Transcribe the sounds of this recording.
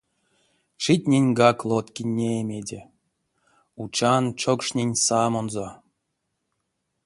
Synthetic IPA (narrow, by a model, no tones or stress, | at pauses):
ʂitʲnʲenʲɡɑklˠot̪kʲinʲːeːmʲedʲe | ut͡ʃɑnt͡ʃokʂnʲenʲsɑmonzo